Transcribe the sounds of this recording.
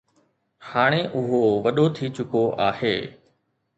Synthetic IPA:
haːɽ̃eʔʊɦoʋɐɗot̪ʰit͡ɕʊkoʔa̰ːheː

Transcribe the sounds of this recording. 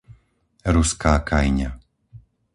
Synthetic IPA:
ɾuskaːkajɲa

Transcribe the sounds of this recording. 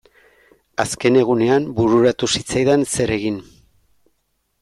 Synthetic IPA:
aske̞ne̞ɣ̞une̞ambuɾuɾat̪usit͡sajðense̞ɾe̞ɣin

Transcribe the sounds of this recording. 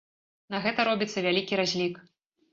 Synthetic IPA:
nɐɣɛt̪ɐɾɔbʲit̪sːɐvʲalʲikʲiɾazʲlʲik

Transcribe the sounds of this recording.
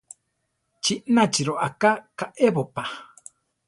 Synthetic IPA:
t͡ʃiʔnat͡ʃiɾoʔakakaʔeβopa

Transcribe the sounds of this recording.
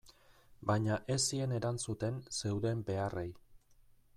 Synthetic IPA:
baɲaʔe̞sie̞ne̞ɾant͡sut̪e̞nse̞wðe̞mbe̞arej

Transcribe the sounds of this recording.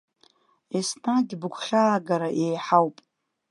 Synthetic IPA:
esnaɡʲbɨɡʷʰχʲaːɡaɾaʔejħawpʼ

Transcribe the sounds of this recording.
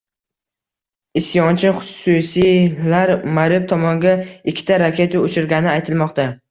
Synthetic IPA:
ɪsjɒnt͡ʃʰɪχʊ̥susilaɾmaɾɪp̚t̪ʰɒmɒŋɡʲaɪkʲʰːɪ̥t̪ʰaɾakʲʰe̞t̪aot͡ʃɪɾɡʲanɪajt̪ʰɪlmɒqt̪a

